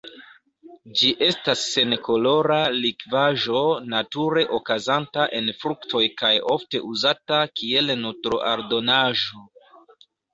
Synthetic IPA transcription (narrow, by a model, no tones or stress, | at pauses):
d͡ʒiʔe̞stasːe̞nko̞lo̞ɾalikvaʒo̞natuɾe̞ʔokazantaʔe̞nfɾuktʰo̞jkajo̞fte̞̰ʔuzatakie̞lnutɾoʔaɾdo̞naʒo̞